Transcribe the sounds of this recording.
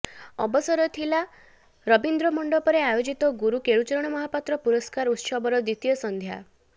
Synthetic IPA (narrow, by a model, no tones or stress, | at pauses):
ɔ̰bɔsɔɾɔt̪ʰila | ɾɔbind̪ɾɔmɔɳɖɔpɔɾeajod͡ʒit̪ɔɡuɾukeɭut͡ʃɔɾɔɽ̃ɔmɔɦapat̪ɾɔpuɾɔskaɾut̪sɔbɔɾɔd̪it̪ijɔsɔnd̪ʱja̰